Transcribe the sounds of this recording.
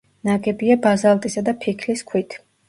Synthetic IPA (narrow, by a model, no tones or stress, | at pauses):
naɡɛbiabazalˠt̪ʼisad̪apʰikʰliskʰwit̪ʰ